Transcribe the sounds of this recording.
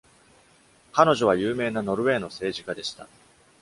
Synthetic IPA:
kano̞ʑo̞β̞ajɯːme̞ːnano̞ɾɯ̟e̞ːno̞se̞ːʑikad̪e̞ɕi̥t̪a̰

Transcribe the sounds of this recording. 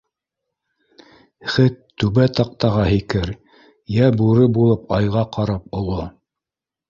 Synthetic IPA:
χɘt̪ːʉβæt̪ɑq̚t̪ɑʁɑɦikɘɾ | jæbuɾɤbulˠɤpɑjʁɑqɑɾɑpŏlˠo

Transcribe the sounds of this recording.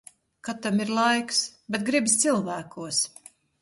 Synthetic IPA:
kat̪amiɾlˠajksbɛt̪̚ɡɾibʲist̪silˠvæːkuɔs

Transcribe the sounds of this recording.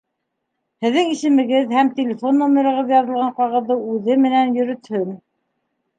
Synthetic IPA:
hɘ̆ðːɘŋisɘ̆mɘ̆ɡɘðhæmt̪ʲelʲɪfo̞nːomʲeɾɑ̆ʁɤðjɑðɤ̆lˠʁɑɴqɑʁɤ̆ðːɤʉðɘmɘ̆nænjɵ̆ɾɵ̆t̪hɵn

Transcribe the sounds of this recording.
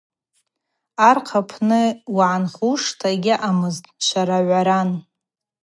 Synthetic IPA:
arqʰapʰnɨwaʕanχuʂtʰaɡʲɪʔamɨztʼʃʷaɾaʕʷaɾan

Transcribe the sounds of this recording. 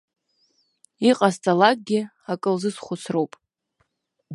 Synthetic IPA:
iqʼast͡sʼalak̚ʼɡʲɪ | akʼɨlzɨsχʷʊsʰrowpʼ

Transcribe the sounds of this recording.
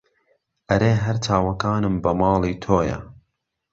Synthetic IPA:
ʔɐɾeːɦɐɾt͡ʃʰaːwɐkaːnɨmbɐmɑːlˠiːt̪ʰoːjɐ̰

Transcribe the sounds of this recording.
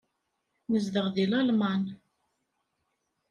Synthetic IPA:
nəzðəʁðilɑlmɑn

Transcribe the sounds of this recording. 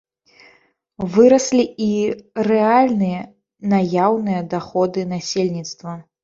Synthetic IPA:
vɨɾɐsʲlʲiirɛalʲnɨjɐ | najawnɨjɐd̪axɔd̪ɨnasʲelʲnʲit̪st̪vɐ

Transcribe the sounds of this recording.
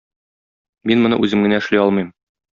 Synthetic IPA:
minmŏnɤ̰ʔʉzɘmɡɘ̆næɘ̆ʃliɒlˠmɤjm

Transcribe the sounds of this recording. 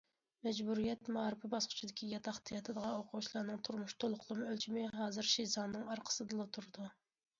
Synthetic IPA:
mɛd͡ʒbuɾijɛt̪mɑːɾɨpʰɪbɑsqʰʊ̥t͡ʃʰid̪ɪkʲʰijɑt̪ʰɑχt̪ijɑt̪ʰɨd̪əʁɑoqʰʊt͡ʃʰlˠɑɾnɨŋt̪ʰuɾmuʃt̪ʰolˠʊqʰlˠɨmɨølt͡ʃʰimɪɦɑːzɨɾʃizɑnːɨŋɑɾqʰə̥sɨd̪ɨlˠot̪ʰuɾɨd̪u

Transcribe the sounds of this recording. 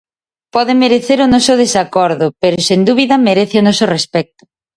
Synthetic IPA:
pɔðɪmeɾeθeɾʊnɔsʊðesakɔɾðʊpeɾʊsend̪uβ̞iðɐmeɾeθɪonɔsorespɛk̚t̪ʊ̥

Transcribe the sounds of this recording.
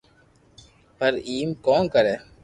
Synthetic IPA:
pəɾiːmkoːnkəɾeː

